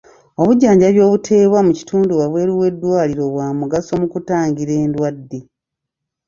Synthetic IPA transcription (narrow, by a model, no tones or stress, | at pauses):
o̞βuɟːaːɲɟaβjo̞ːβutʰe̞ːβwamuci̥tuːnduwaβwe̞ːɾiwe̞dːwaːliɾo̞βwaːmuɡaso̞mukutaːŋɡiɾe̞ːndwadːe̞